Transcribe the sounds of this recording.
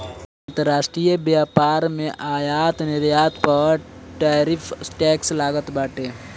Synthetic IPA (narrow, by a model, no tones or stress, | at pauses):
ɐ̃nt̪əɾaːʃʈɾijəbjaːpaːɾmẽʔaːjaːt̪nɪɾjaːt̪pɐʈeːɾɪpʰsʈɛːkslaːɡət̪baːʈeː